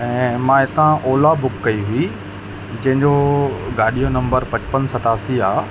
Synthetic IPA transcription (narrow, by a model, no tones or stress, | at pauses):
ɛ̃ːmãːɪt̪ãʔoːlabʊkːɐiɦʊi | d͡ʑɐ̃ɦɪ̃ɲd͡ʑoɡaːɗijonɐ̃mbəɾpɐt͡ɕpənsɐʈ̪aːsiaː